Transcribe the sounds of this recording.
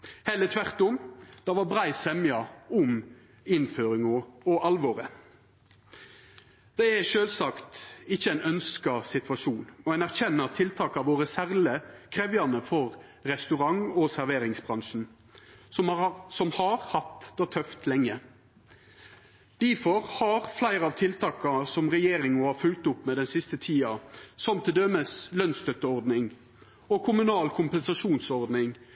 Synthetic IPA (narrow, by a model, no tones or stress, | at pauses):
hɛɪlət̪ʰʋæʁt̪ʊmd̪̥ɑʋɑɾbʁæɪsɛmjɑʊm | ɪnføːɾɪŋɔɔʔɑlʋoːɾə | d̪̥ɛæʃøːlsɑkt̪ɪçəæɪnœnskɑsɪt̪ʰʋɑʃuːnɔænæɾçɛnːəʁt̪ʰɪlt̪ʰɑːkɑʋoːɾəsæʁləkʰʁeːʋjɑnəfɔʁ | ɾɛst̪ʉʁɑŋɔsæɾʋeːɾɪŋsbʁɑŋʂn̩ | sɔmhɑɾhɑt̪d̪ɑt̪ʰœft̪lɛŋːə | d̪̥ifɔʁhɑɾflæɪɾɑːʋt̪ʰɪlt̪ʰɑːkɑsɔmʁɛjeːɾɪŋmɔhɑːfʉlkt̪ʊpːmɛd̪ɛnsɪst̪ət̪ʰiːɑsɔmt̪ʰɪd̪øməslœnst̪œt̪əɔɾd̪nɪŋ | ɔkʰʊmʉnɑːlkʰʊmpɛnsɑʂuːnsɔɾd̪nɪŋ